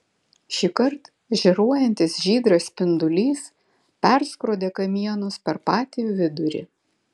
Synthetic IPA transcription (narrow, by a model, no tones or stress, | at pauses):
ʃʲiːkɐɾt̪ | ʒʲɛɾuɔjɛnʲt̪ʲɪsʒʲiːd̪ɾɐspʲɪnd̪ʊlʲiːs | pʲɛɾskɾoːd̪ʲeːkɐmʲiɛnʊspʲɛɾpɑːt̪ʲijuːʋʲɪd̪ʊɾʲɪ̰